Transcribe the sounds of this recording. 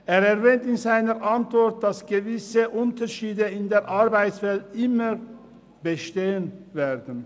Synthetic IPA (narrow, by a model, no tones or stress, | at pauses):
ʔeːʁɛʁvɛːntɪnzaɪnəʁʔantv̥ɔɐt̚d̥asɡ̥əvɪsəʔʊntəʃiːdəɪndeːɐʔaʁbaɪtsv̥ɛltʔɪmə | b̥əʃteːənveːʁdn̩